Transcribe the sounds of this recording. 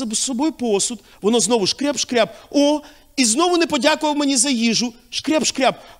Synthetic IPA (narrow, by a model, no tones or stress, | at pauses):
ɐbssɔbɔjʊpɔsʊt̪ | ʋɔnɔznɔʋʊʃkɾʲɛpʃkɾʲab̚ɔ | iznɔʋʊnɛpɔdʲakʊʋɐwmenʲizɐjiʒʊ | ʃkɾʲɛpʃkɾʲab̚